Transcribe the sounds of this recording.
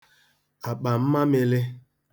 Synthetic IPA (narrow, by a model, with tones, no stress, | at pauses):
a˨k͡pa˨m̩˦ma˦mɪ˦lɪ˦